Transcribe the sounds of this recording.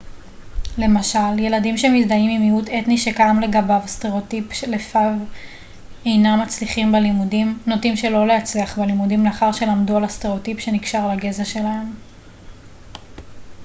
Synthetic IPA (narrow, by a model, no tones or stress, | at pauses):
le̞maʃalje̞ladimʃemizdaimimiutetniʃekaamle̞ɡabavste̞ʁeotipʃelefav | e̞jnamat͡sliχimbelimudimnotimʃe̞lo̞leat͡sliaχbelimudimleaχaʁʃe̞lamdualasteʁeotipʃe̞niɡʃaʁlaɡezaʃe̞lahem